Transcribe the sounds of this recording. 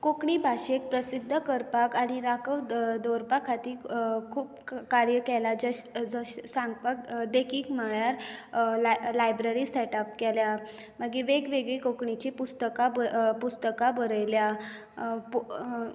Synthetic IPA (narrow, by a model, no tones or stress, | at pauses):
kokɳibʱaɕek̚pɾəsid̪ʱːəkəɾpakaɽ̃iɾakəwd̪oɾpakʰat̪iːkʰuːpkaɾjəkɛlad͡zəɕd͡zəɕsãŋɡpak̚d̪ekʰiːkm̤əɭjaɾ | lajbɾəɾiːsɛʈap̚kɛlja | məɡiʋeɡʋeɡɭikokɳit͡ɕipust̪əkabəpust̪əkabəɾəjlja | p